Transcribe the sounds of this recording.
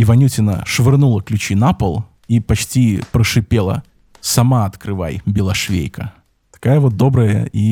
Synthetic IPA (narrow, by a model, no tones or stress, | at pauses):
ɪvɐnʲutʲɪnə̰ʂvʲɨrnulˠəklʲʉt͡ɕinapəlˠ | ipɐt͡ɕtʲipɾəʂɨpʲe̞lˠə̰ | sɐmaɐt̪kɾɨva̰jbʲɪlˠɐʂvʲḛjkə̰ | t̪ɐ̥kajəvot̪̚d̪o̞bɾəjə̰i